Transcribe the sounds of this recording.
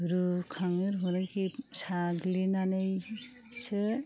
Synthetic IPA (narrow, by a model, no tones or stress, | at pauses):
ɾukʰaŋɯɾɦɔɾaŋkisaɡlinanej | se